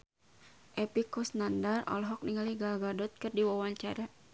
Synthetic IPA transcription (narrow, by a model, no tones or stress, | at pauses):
ʔɛpikɔsnandarɔ̰lɦɔk̚niŋaliɡaɡadɔt̪̚kɨrdiwɔwaɲt͡ʃaɾa